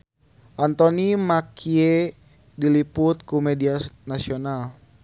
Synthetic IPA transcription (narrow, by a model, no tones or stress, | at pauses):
ʔant̪ɔnimakʰie | diliput̪̚kumɛdianasional